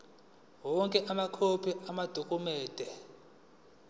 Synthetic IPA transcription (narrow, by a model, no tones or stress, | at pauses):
wɔŋkʼɛʔamakʰopʰiamad̥ʱokʼumɛːd̥ʱɛ